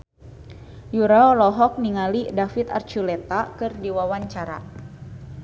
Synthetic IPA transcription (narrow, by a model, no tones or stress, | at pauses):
juɾaɔlɔɦɔk̚niŋalidafit̪a̰rt͡ʃulet̪akɨrdiwawaɲt͡ʃaɾa̰